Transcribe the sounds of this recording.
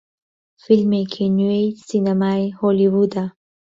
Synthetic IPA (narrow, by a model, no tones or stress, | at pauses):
fɪlmekʰenuesinamajhɔliwud̪a